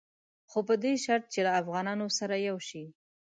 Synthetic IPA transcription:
xopəd̪eʃaɾt̪̚t͡ʃelaːfɣɑnɑnosaɾajawʃi

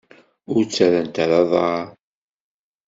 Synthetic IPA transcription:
ʊɾt͡sːæɾənt̪aɾɑðˤ

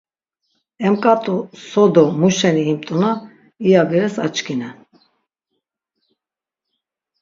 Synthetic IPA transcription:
ɛmkʼat̪ʼusɔd̪ɔmuʃɛniːmt̪ʼuna | ijabiɾɛsat͡ʃkʰinɛ

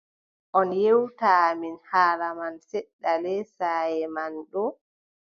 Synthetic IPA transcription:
ʔɔnjewtaːminhaːlamansɛɗːalɛsaːjɛmanɗɔ

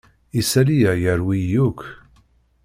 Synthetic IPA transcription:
isælijæjəɾwijukʰ

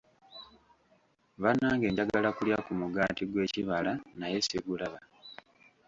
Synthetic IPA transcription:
βanːaːŋɡe̞ːɲɟaɡalakuljakumuɡaːtiɡwe̞ːciβalanaje̞siɡulaβa

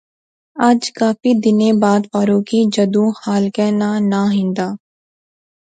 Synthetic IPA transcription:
ad͡ʒkaːfid̪ɪnẽːbaːd̪paːɾõkid͡ʒɐd̪ũːhaːlkɛːnaːnaɦɪ̃nd̪aː

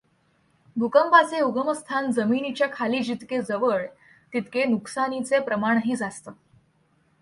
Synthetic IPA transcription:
bʱukəmpaseuɡəməst̪ʰand͡zəminit͡ɕjakʰaliːd͡ʑit̪ked͡zəʋəɭ | t̪it̪kenuksanit͡sepɾəmaɳ̃ɦiːd͡zast̪ə

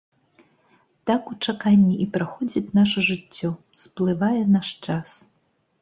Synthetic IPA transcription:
t̪akut͡ʂakanʲːiʔipɾaxɔd͡zʲit͡sʲnaʂɐʐɨt͡sʲːɔ | splˠɨvajɛnaʂt͡ʂas

